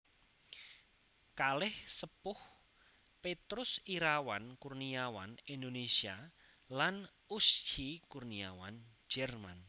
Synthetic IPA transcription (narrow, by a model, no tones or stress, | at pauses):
kalɪhsəpʊh | pet̪ɾʊsiɾawankurniawa̰nind̪onesia | lan | ust͡ʃikurniawand͡ʒ̥ɛrma̰n